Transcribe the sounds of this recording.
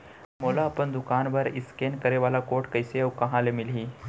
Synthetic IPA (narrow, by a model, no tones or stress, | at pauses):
moːlaɐpənd̪ʊkaːnbɐɾɪskeːnkɐɾeʋaːlakoːʈkɐɪseɐʋkɐɦãlemɪlɦiː